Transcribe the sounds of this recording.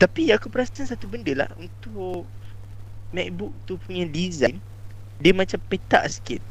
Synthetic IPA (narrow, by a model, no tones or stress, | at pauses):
t̪apiakupəɾasakansat̪ubəndəla̰hunt̪ʊ | mɛk̚bʊk̚t̪upuɲadizajn | diəmãt͡ʃampet̪a̰ʔsə̥kɪt̪̚